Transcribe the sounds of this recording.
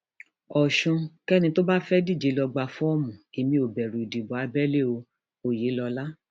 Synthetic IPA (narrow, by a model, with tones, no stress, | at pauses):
ɔ˨ʃũ˧kɛ˦nĩ˧to˦ba˦fɛ˦di˦˨d͡ʒe˨˦lɔ˧ɡ͡ba˧fɔ̃˦ɔ˦mũ˨i˨mĩ˧˦o˨bɛ˨ɾu˨i˨di˨bɔ˨a˧bɛ˦le˦˨o˧ | o˦˨je˨˦lɔ˧la˦